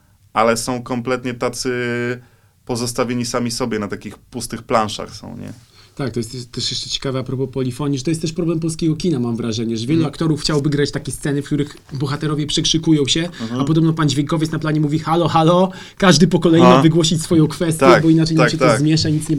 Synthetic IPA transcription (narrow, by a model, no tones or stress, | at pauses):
ʔalɛsɔ̃w̃kɔmplɛt̪ɲɛt̪at̪sɘ | pɔzɔst̪avʲeɲisamʲisɔbʲjɛnat̪akʲixpust̪ɘxplanʂa̰xsɔ̰̃w̃ɲɛ̰ | t̪ak̚t̪ɔjɛst̪jɛt̪ːɛʂjɛʂt͡ʂɛt͡ɕɛ̥kavɛapɾɔpɔpɔlʲifɔɲiʐt̪ɔjɛst̪ːɛʂpɾɔblɛmpɔlskʲeɡɔkʲinamamvɾaʐɛɲɛʐɛvʲjɛluakt̪ɔɾufxt͡ɕawbɘɡɾat͡ɕt̪akʲɛst̪sɛnɘfkt̪uɾɘx | bɔxat̪ɛɾɔvʲjɛpʂɛkʂɘkujɔ̃w̃ɕɛapɔd̪ɔbnɔpand͡ʑvʲjeŋkɔvʲɛt̪snaplaɲɛmuvʲixalɔxalɔ | kaʐd̪ɘpɔkɔlɛjimavɨɡwɔɕit͡ɕsfɔjɔ̃w̃kfɛst̪jɛbɔinat͡ʂɛj̪aɕɛt̪ɔzmʲjɛʂaɲit̪sɲɛ